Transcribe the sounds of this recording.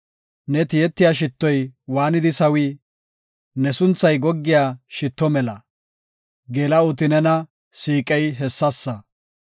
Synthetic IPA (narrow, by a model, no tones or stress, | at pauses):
nɛt̪ɪjɛt̪ːɪjaːʃ̬ɪt̪ːɔjwaːnɪd̪ɪsɐwiː | nɛsʊnt͡sːɐjɡɔɡːɪjaːʃɪt̪ːɔmɛlɐ | ɡeːlɐʊt̪̬ɪnɛnɐ | siːkʼɛjɦɛsːɐsːɐ